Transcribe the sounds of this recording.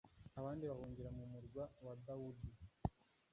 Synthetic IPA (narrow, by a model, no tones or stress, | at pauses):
aβaːndiβahuːɲɟiɾamumuɾɡwawad̪audi